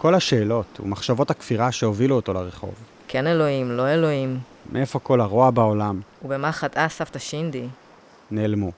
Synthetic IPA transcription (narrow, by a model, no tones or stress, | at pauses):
ko̞laʃe̞ːlo̞tṵmaχʃavo̞takfiʁaʃe̞oviluoto̞leʁeχo̞̰v | kʰenelo̞imlo̞elo̞im | meʔe̞fo̞ko̞laʁoabaolamubemaχatasaftaʃind̪i | neːlmu